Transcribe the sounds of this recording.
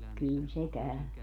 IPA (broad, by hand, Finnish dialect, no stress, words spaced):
kyˑl se kæø